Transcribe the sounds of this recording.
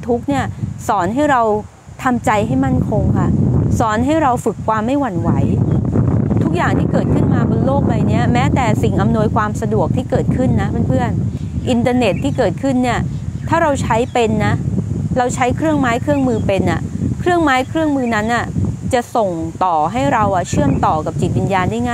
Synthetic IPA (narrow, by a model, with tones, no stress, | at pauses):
t̪ʰu˦˥k̚ni˥˩ɐsɔː˩˦nɦa˥˩jɾa˧w | t̪ʰa˧mt͡ɕa˧jɦa˥˩jma˥˩nkʰo˧ŋkʰa˥˩sɔː˩˦nɦa˥˩jɾa˧wfɯ˨˩kʰːwaː˧mːa˥˩jwa˧˩nwa˦˥j | t̪ʰu˦˥k̚jaː˨˩ŋt̪ʰiː˥˩kɤː˨˩t̪̚kʰɯ˥˩nmaː˧bo˧nloː˥˩k̚la˧jni˦˥ɐmɛː˦˥t̪ɛː˨˩si˨˩ŋʔa˧mnu˧ə˧jkʰwaː˧msa˧du˨˩ək̚t̪ʰiː˥˩kɤː˨˩t̪̚kʰɯ˥˩nːa˦˥pʰa˥˩npʰɯ˥˩ən | ʔi˧nt̪aː˧ne˨˩t̪ʰːiː˥˩kɤː˨˩t̪̚kʰɯ˥˩nːi˥˩ɐt̪ʰaː˥˩ɾa˧wt͡ɕʰa˦˥jpe˧nːa˦˥ɾa˧wt͡ɕʰa˦˥jkʰɾɯ˥˩əŋmaː˦˥jkʰɾɯ˥˩əŋmɯː˧pe˧nʔa˨˩kʰɾɯ˥˩əŋmaː˦˥jkʰɾɯ˥˩əŋmɯː˧na˦˥nʔa˨˩t͡ɕa˨˩ʔso˨˩ŋt̪ɔː˨˩ɦa˥˩jɾa˧wʔa˨˩t͡ɕʰɯ˥˩əmt̪ɔː˨˩ka˨˩p̚t͡ɕi˨˩t̪̚wi˨˧njaː˧ndaː˥˩jŋaː˥˩